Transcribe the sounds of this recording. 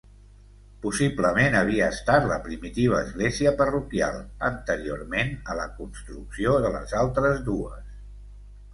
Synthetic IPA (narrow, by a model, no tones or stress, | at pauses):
pusibləmenəβ̞iəːst̪at̪ləpɾimit̪iβ̞əːzɣleziəpərukja̰lˠənt̪əɾio̰ɾmenələkunst̪ɾuksioðələ̰zalˠt̪ɾəzðuəs